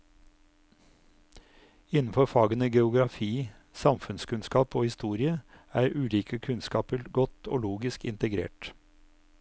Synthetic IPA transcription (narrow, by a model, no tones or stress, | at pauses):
ɪnn̩fɔɾfɑːɡənəɡɛʊɡɾɑfiː | sɑmfʉnskʉnskɑːpoːhɪst̪uːɾɪə | æːɾʔʉːliːkʰəkʰʉnskɑːpəɾɡɔt̪ʰo̰ːloːɡɪskɪ̰nt̪əɡɾḛːʈ